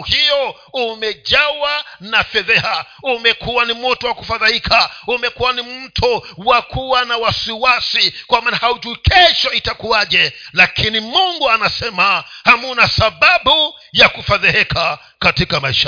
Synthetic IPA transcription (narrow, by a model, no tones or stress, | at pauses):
hijɔ | umɛʄawanafɛðɛha | umɛkuwanimɔtɔwakufaðahikʰaumɛkuwanimm̩tʰuwakʰuwanawasiwasikwamaːnahauʄuikʰɛʃɔitakuaʄɛlakʰinimuŋɡuanasɛmahamunasaɓaɓu | jakufaðihɛkʰa | katikamaiʃa